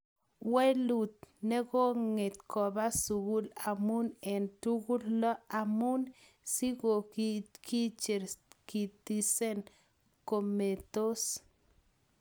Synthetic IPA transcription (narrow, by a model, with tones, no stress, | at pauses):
we˦lu˨t̪̚ne˦ɡo˦ŋe˨t̪̚kʰo˨ba˦su˨ɡu˦la˨mu˦ne˨nt̪u˦ɡu˦lːo˦a˨mu˦n | si˦ɡo˨kkʰi˦t͡ʃe˨ɾki˨t̪i˧se˦n | ko˨me˨t̪o˦s